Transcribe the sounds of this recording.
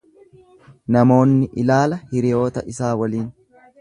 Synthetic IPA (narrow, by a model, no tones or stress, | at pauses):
nɐmo̞ːnːɪʔɪlaːlɐhɪɾɪjo̞ːt̪ɐʔɪsaːwɐliːn